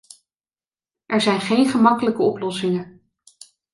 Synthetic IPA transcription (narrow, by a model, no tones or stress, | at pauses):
ʔɛɹzɛjnχejnχəmɑkələkəɔplɔsɪŋə